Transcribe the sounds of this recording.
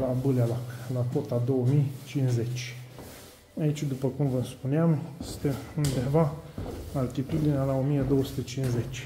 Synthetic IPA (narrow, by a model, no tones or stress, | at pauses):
labɨlalaklako̞t̪ad̪o̞wəmijt͡ʃinze̞t͡ʃʲ | ait͡ʃʲd̪upəkumvənspuneamjjest̪eund̪e̞va | alt̪it̪ud̪inealaomijed̪o̞wəsu̥t̪e̞t͡ʃinze̞t͡ʃʲ